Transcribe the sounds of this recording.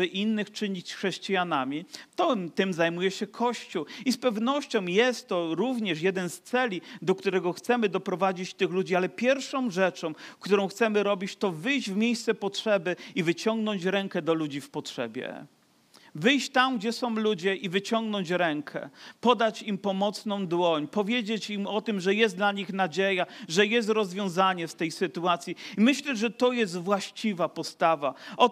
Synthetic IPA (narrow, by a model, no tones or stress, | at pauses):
ɘʔinːɘxt͡ʂɘɲit͡ɕxʂɛɕt͡ɕijanamʲit̪ɔt̪ɘmzajmujɛɕɛkʰɔɕt͡ɕuispɛvnɔɕt͡ɕɔ̃w̃jɛst̪ːɔɾuvɲɛʂjɛd̪ɛnst̪sɛlʲid̪ɔkt̪uɾɛɡɔxt̪sɛmɘd̪ɔpɾɔvad͡ʑit͡ɕt̪ɘxlud͡ʑialɛpʲjɛɾfʂɔ̃w̃ʐɛt͡ʂɔ̃w̃kt̪uɾɔ̃w̃xt̪sɛmɘɾɔbʲit͡ɕt̪ɔvɘjd͡ʑvmʲjejst̪sɛpɔtʂɛbɘivɘt͡ɕɔŋɡnɔɲt͡ɕɾɛŋkɛd̪ɔlud͡ʑifpɔtʂɛbʲjɛ̰ | vɘjɕt͡ɕt̪amɡd͡ʑɛsɔ̃w̃lud͡ʑɛʔivɘt͡ɕɔŋɡnɔɲt͡ɕɾɛŋkʰɛ̰pɔd̪at͡ɕimpɔmɔt̪snɔ̃w̃d̪wɔɲpɔvʲjed͡ʑet͡ɕimɔt̪ɘmʐɛjɛsd̪laɲixnad͡ʑejaʐɛjɛs̬t̪ɾɔzvʲjɔ̃w̃zaɲɛst̪ɛjsɘt̪uat̪sʲjiimɘɕlɛʐɛt̪ɔjɛs̬t̪vwaɕt͡ɕivapɔst̪avaɔ